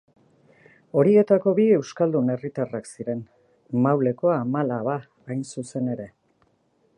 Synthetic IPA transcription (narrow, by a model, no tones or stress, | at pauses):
o̞ɾie̞t̪ako̞βie̞wskald̪une̞rit̪araksiɾe̞n | mawle̞ko̞aːmalaβaː | jnsuse̞ne̞ɾe̞